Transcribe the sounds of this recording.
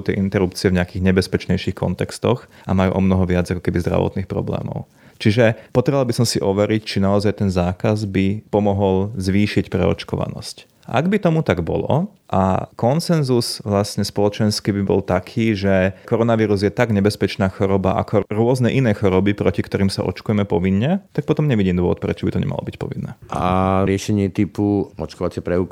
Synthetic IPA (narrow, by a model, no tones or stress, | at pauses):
ut̪ɛ̰ʔint̪ɛɾupt͡sɪɛvɲɛakiːɣɲɛbɛspɛt͡ʃɲɛjʃixkɔ̰nt̪ɛkst̪ɔxʔa̰majṵʔɔmnɔɦɔʋɪad͡zakɔ̥kɛbizd̪ɾa̰ʋɔ̰t̪niːxpɾɔ̰blɛ̰ːmɔ̰ʊ | t͡ʃiʒɛpɔt̪ɾɛʋalbisɔmsiʔɔʋɛɾict͡ʃinaɔzajt̪ɛnzaːkazbipɔmɔɦɔlzʋiːʃicpɾɛ̰ɔ̰t͡ʃkɔʋa̰nɔ̰sc | ʔa̰ɡbit̪ɔmut̪aɡbɔ̰lɔ̰ | ʔa̰kɔnsɛnzusʋlasɲɛspɔlɔt͡ʃɛnskibibɔ̰lt̪akʰiːʒɛkɔɾɔnaʋiːɾuzjɛt̪aɡɲɛbɛspɛt͡ʃnaːxɔɾɔba̰ʔa̰kɔɾʊɔznɛʔinɛːxɔɾɔbipɾɔcikt̪ɔɾiːmsa̰ʔɔ̰t͡ʃkujɛmɛpɔʋinːɛt̪ak̚pɔt̪ɔmɲɛʋiɟiːmd̪ʊɔʋɔt̪pɾɛt͡ʃɔbit̪ɔɲɛ̰ma̰lɔ̰bicpɔ̰ʋinːɛ̰ːʔa̰ɾɪɛʃɛɲɪɛt̪ipuɔt͡ʃkɔʋat͡sɪɛpɾɛuk